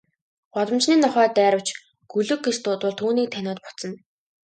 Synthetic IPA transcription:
ɢ̥ɔɮə̆mt͡ɕniːnɔχœːt̪æːɾə̆w̥t͡ɕ | ɡ̥ɵɮɵ̆kːist̪ʊːt̪wʊ̆ɮt̪ʰuːniːk̚t̪ʰænʲʊːt̪̚pɔ̥t͡sə̆n

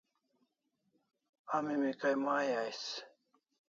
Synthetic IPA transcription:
amimikajmaːjajs

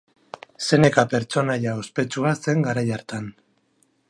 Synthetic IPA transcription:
se̞ne̞kape̞ɾt͡so̞najao̞spe̞t͡suase̞ŋɡaɾajaɾt̪an

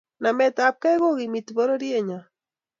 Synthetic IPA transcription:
namet̪aːp̚kaɣoɣimit̪boɾoɾieɲa

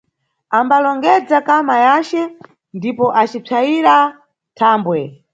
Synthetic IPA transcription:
ambalɔŋɡɛd͡zakamajat͡ʃɛ | ndipɔʔat͡ʃib͡ʐʰaiɾa | tʰaːmbwɛ

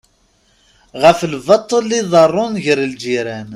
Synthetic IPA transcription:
ʁəflvɑt̪ˤːəlːiðˤərˤːʊnʝəɾld͡ʒiɾæn

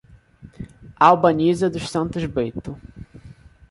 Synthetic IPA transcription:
awbɐnizɐd̪ʊʃsɐ̃nt̪ʊzbejt̪ʊ

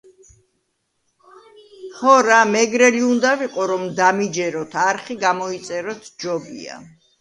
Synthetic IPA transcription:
hɔɾamɛɡɾɛliund̪aviqʼɔɾɔmd̪amid͡ʒɛɾɔt̪ʰaɾχiɡamɔit̪sʼɛɾɔt̪ʰd͡ʒɔbḭa̰

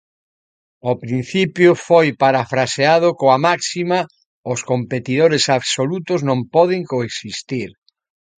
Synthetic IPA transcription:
opɾin̟θipjʊfojpaɾafɾaseað̞ʊkoamaksima | ʊskompet̪ið̞oɾesaβsolut̪ʊznõmpɔðɪŋkoeksist̪iɾ

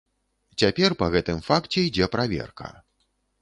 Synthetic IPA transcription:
t͡sʲapʲɛrpɐɣɛt̪ɨmfakt͡sʲɛjid͡zʲɛpɾavʲɛ̰rkɐ̰

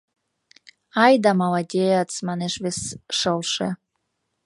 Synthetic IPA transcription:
ɑjd̪ɑmɑlɑd̪ʲejɑt͡smɑneʃβesʃəlʃḛ

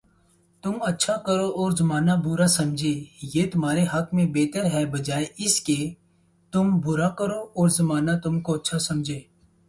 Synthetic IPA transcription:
t̪ʊmətːʃʰakəɾoɔːɾzəmaːnabʊɾasɐmd͡ʒʱeːjeːt̪ʊm̤ɦaːɾeɦəkmẽbeːt̪əɾɦɛːbəd͡ʒaːeʔɪskeː | t̪ʊmbʊɾakəɾoːɔːɾzəmaːnat̪ʊmkoətːʃʰasɐmd͡ʒʱeː

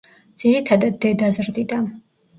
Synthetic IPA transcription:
d̪z̥iɾit̪ʰad̪ad̪ːɛd̪azɾd̪id̪an

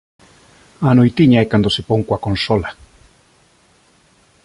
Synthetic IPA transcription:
anojt̪iɲajkand̪osepoŋkwakonsola

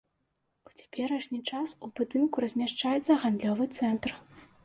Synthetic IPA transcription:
ut͡sʲḁpʲɛɾɐʂnʲit͡ʂasubɨd̪ɨnkuɾɐzʲmʲaʂt͡ʂajɛt̪sɐɣand̪lʲɔvɨt̪sɛnt̪r

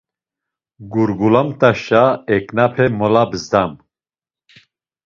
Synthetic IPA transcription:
ɡuɾɡulamt̪aʃaɛknapʰɛmɔlabɨzd̪am

